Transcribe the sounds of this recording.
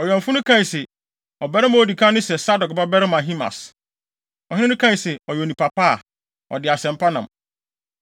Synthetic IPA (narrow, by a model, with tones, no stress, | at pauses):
ɔ˨jɥɛ̃˨m̩˨fʊ˦nʊ̃˦kʰã˦i˨sɛ˨ | ɔ˨bɛ˦ɾɪ˦mã˨o˨di˨kʰã˦nʊ̃˦sɛ˨sa˦dɔ˨kba˦bɛ˦ɾɪ˦mã˨ɦĩ˦ma̰˨s | ɔ˨hɪ̃˦nɪ̃˦ʊ̃˦kʰã˦˨sɛ˨ɔ˨jɛ˨o˨nĩ˨pʰa˨pa˦a˨ | ɔ̰˨dɪ˨a˨sɛ̃˨m̩˦pʰa˦nã̰˨m